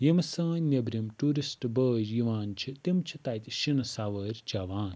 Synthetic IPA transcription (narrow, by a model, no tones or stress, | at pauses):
jimɐsãːnebɾimʈuːɾisʈbəːd͡ʒjiʋaːnt͡ʃʰit̪imt͡ʃʰit̪aːjt̪ʲiʃinɐsaːʋəːɾʲd͡ʒaːʋaːn